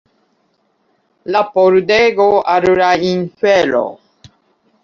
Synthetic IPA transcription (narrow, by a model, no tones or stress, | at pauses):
lapoɾud̪ɛɡoaɾuɾainfɛlɔ̰